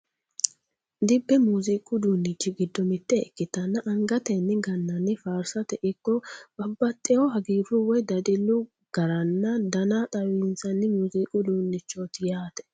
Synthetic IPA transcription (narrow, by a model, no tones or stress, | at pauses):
d̪ɪbːɛmuːzikʼːʊd̪uːnːɪt͡ʃːɪɡɪd̪ːɔmɪt̪ːɛɛkːɪt̪ɐnːɐʔɐŋɡɐt̪ɛnːɪɡɐnːɐnːɪfaːɾsɐt̪ɛʔɪkːɔbɐbːɐt̪ʼːɛjɔhɐɡiːɾʊwɔjd̪ɐd̪ɪlːʊ | ɡ̥ɐɾɐnːɐd̪ɐnat̪ʼɐwint͡sɐnːɪmuziːkʼʊd̪uːnːɪt͡ʃːot̪ɪjaːt̪ɛ̥